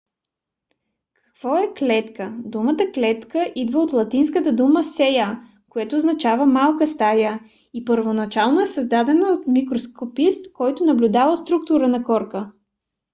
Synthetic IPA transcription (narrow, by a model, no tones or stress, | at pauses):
kɐ̥kv̥ɔɛklɛt̪kəd̪umət̪əklɛt̪kəʔid̪vəot̪lˠɐt̪inskət̪əd̪uməsɛja | koɛt̪oːznɐt͡ʃavəmalˠkəst̪ajə | ipəɾvonɐt͡ʃalˠnoɛsəzd̪ad̪ɛnəot̪mikɾoskopist̪kɔjt̪ʊnɐblʲud̪avəst̪ɾuk̚t̪ʊɾənɐkɔɾkə